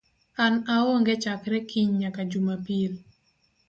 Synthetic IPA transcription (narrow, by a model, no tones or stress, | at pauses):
anaɔŋɡɛt͡ʃakɾɛkiɲɲakad͡ʒumapil